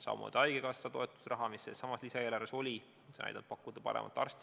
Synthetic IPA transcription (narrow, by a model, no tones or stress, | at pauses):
sɑ̰ːmo̰d̪̥ɑjɡ̥ekɑsːɑt̪o̞e̞t̪ːˑu̥srɑɦɑmisːessɑmɑslisɑelɑɾeso̞lʲi | seɑ̰jd̪ɑb̥̚pɑkːˑud̪ɑpɑ̰ɾḛmʔɑ̰t̪ːˑɑ̰rst̪